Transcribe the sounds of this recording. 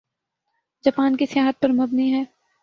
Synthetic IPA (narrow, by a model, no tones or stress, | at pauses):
d͡ʒaːpaːnkisɪjaːɦət̪̚pɐɾmɐbniɦɛː